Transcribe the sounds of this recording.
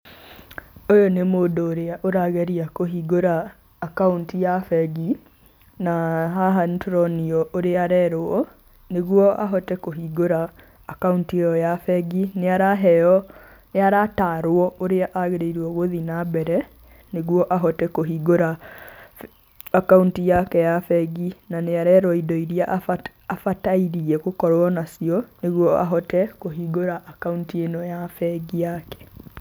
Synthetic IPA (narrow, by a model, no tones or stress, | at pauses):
ojonemoːndoːɾeaʔoɾaɣeɾiakoɦiɣoɾaː | kauntijafɛɡi | naɦaɦantɾɔniɔoɾeaɾɛɾoɔ | neɣwɔʔaɦɔtɛkoɦiɣoɾaː | kauntieɔjafɛɡineaɾaɦɛjɔ | neaɾataːɾwɔoɾeaʔaɣeɾeiɾwɔɣoðinabɛɾɛ | neɣwɔʔaɦɔtɛkoɦiɡoɾa | akauntijakɛjafɛɡinaneaɾɛɾɔidɔiɾiaʔ | afataiɾiɛkokɔɾwɔnasiɔneɣwɔaɦɔtɛkoɦiɡoɾaʔːkauntienɔjafɛɡijakɛ̥